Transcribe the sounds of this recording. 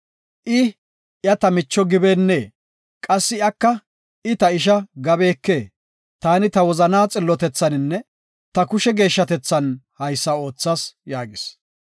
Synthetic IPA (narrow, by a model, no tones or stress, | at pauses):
ʔɪ | jɐt̪ɐmɪt͡ʃːɔɡɪbeːnːeː | kʼɐsːɪjɐkːɐ | ʔɪt̪ɐɪʃ̬ɐɡɐbe̞ːkːe̞ː | t̪aːnɪt̪ɐwɔzɐnaːt͡sʼɪlːɔt̪ɛt͡sːɐnɪnːɛ | t̪ɐkʊʃɛɡe̞ːʃːɐt̪ɛt͡sːɐnhɐjsːɐo̞ːt͡sːaːsjaːɡɪs